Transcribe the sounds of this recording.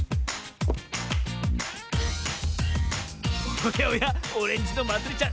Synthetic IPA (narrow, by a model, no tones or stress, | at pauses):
ojaojaoɾẽ̞ɲ̟d͡ʑinomat͡sɨɾit͡ɕã